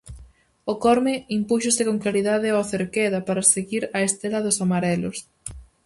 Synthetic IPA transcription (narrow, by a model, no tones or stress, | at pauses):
okɔɾmɪimpuʃosɪkoŋklaɾiðaðɪoθeɾkeðɐpaɾaseɣiɾɐest̪elɐðʊsamaɾɛlʊs